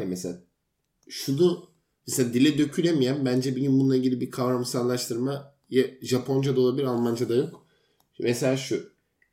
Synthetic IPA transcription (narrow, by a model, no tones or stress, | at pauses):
ɛmesela | ʃud̪u | meselʲaːd̪ilʲɛd̪ø̞cʰylʲemijæmbænd͡ʒɛbiɡʲinbunˠaiɟilʲibikʰavɾamsanlˠaʃt̪ʰɯɾma | jɛʒapʰo̞nd͡ʒad̪ao̞lˠabilʲiɾalˠmand͡ʒad̪ajo̞k | meselʲaːʃu